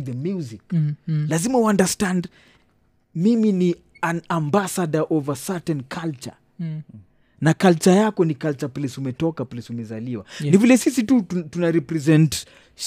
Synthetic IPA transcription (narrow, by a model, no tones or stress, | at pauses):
ðəmjuziklazimawãndəstãnd | mimini | anambasadaʔɔvasatɛ̃nkʰalt͡ʃa̰ | nakalt͡ʃajakɔnikalt͡ʃaplɛsumɛtɔkaplɛsumɛzaliwa̰nivilɛsisitutunaɾipɾɛzɛ̃nt